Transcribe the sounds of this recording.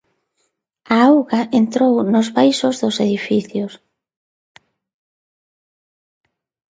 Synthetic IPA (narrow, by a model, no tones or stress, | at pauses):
aawɣaʔent̪ɾownʊzβajsʊzðʊseðifiθjʊs